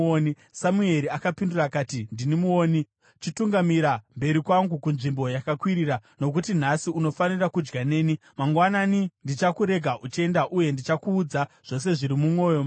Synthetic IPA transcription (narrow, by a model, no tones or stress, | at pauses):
oni | samue̞ɾiakapinduraːkaːtindinimuo̞ːni | t͡ʃituŋɡamiɾambe̞ɾikwaŋɡukunʐimbo̞jakakwiɾirano̞k̬utin̤asiuno̞fanirakud͡ʒɡane̞ːni | maŋɡwananindit͡ʃakuɾe̞ɡʱaʔut͡ʃe̞ndaʔuje̞ndit͡ʃakuːd͡zaʐ̥o̞s̬e̞ʐiɾimumwo̞ːjo